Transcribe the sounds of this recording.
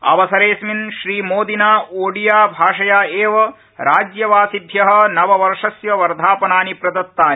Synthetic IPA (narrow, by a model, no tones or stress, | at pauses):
ɐ̰ʋɐsɐɾeːsminʃɾiːmoːd̪inaːoːɽijaːbʱaːʂɐjaːeːʋɐ | ɾaːd͡ʒjɐʋaːsib̪ʱjɐɦɐ̆nɐʋɐʋɐɾʂɐsjɐʋɐɾd̪ʱaːpɐnaːnipɾɐd̪ɐt̪ːaːni